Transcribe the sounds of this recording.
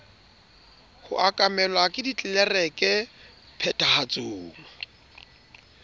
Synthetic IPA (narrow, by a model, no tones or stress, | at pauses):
hʊ̰ʔakʼamɛlwakʼɪdit͡ɬʼɛlɛrɛkʼɛ | pʰɛtʼahat͡sʼoːŋa